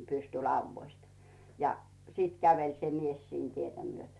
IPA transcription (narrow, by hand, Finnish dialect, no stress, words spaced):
pystylɑuʋːoist jɑ siˑt kæʋelʲ se mies siːn tietæ myøtø̥